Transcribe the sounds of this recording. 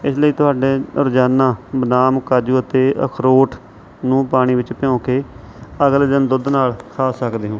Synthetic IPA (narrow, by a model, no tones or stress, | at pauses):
ɪsləiːt̪ʊɦaːɖeːʊɾd͡ʒaːnãːbənaːmkaːd͡ʒuːət̪eːʔə̰kʰɾoːʈʰ | nũːpaːɽ̃iːʋɪt͡ʃpɪjõːkeː | əɡld̪ɪnd̪ʊd̪naːlkʰaːsəkd̪eːɦõː